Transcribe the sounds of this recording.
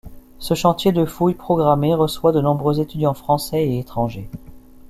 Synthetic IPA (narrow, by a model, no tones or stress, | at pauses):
səʃɑ̃t̪jed̪əfujpχɔɡʁameʁəswad̪ənɔ̃bʁøzet̪yd̪jɑ̃fχɑ̃sɛeet̪χɑ̃ʒe